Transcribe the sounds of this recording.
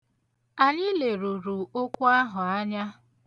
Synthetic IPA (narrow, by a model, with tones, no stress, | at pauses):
a˨ɲɪ˦le˨ɾu˨ɾu˨o˦kʷu˦a˦ɦʊ˨a˦ɲa˦